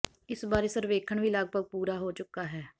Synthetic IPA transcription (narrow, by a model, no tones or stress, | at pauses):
ɪsbaːɾeːsəɾʋeːkʰəɳʋiːləɡ̚bʱəɡ̚puːɾaːɦoːt͡ʃʊkːaːɦɛː